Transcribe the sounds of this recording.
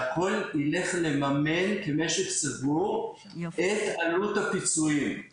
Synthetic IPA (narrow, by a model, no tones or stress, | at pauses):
akʰo̞lile̞χlemame̞nkeme̞ʃeχsavuʁ | et̪aluthapit͡suim